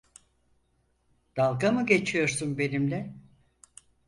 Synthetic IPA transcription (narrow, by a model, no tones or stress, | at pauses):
d̪̥alˠɡamɯɟe̞t͡ʃʰijo̞ɾsunbe̞nimlʲɛ